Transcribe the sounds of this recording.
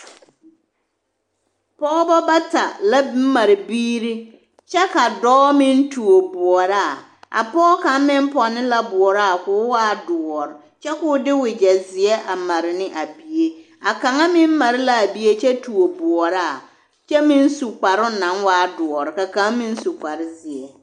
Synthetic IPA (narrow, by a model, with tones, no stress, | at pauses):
pɔː˦bɔ˦ba˦ta˨la˦m̩˦ma˨ɾɪ˨biː˦ɾi˦ | t͡ʃɛ˦ka˨dɔː˦mɪ̃˦n˦tu˨o˨bʊ˨ɔ˨ɾa˦˨ | a̰˨pɔː˦ka˨˦m˦mɪ̃˦mpɔ˨nɪ̃˦la˨bʊ˨ɔ˨ɾa˦˨kʊː˦waː˦dʊ˨ɔ˨ɾɪ˨ | t͡ʃɛ˦kʊ˦dɪ˦wɪ˨d͡ʒɛ˨zɪ˨ɛ˦ʔa˨ma˨ɾɪ˨nɪ˦ʔa˨bi˨e˦ | a˨ka˨ŋa˦mɪ̃˦mː˦a˨ɾɪ˦la˨a˨bi˦e˦t͡ʃɛ˦tu˨o˨bʊ˨ɔ˨ɾa˦˨ | t͡ʃɛ˦mɪ̃˦n̩˦su˨k͡pa˨ɾʊ˦nã˨nwaː˦dʊ˨ɔ˨ɾɪ˨ka˨ka˨˦ŋ˦mɪ̃˦n̩˦su˨k͡pa˨ɾɪ˦zɪ˨ɛ˨